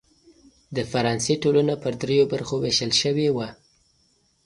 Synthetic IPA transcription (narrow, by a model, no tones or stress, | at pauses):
d̪əfaɾɑnseʈolanapəɾd̪ɾejobaɾxoweʃəlʃəwewa